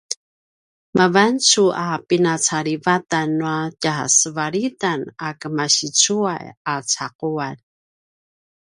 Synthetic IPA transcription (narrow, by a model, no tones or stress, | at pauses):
mavant͡suapinat͡saɾivatanːuacasəvaɾitanakəmaɕit͡suajat͡saquan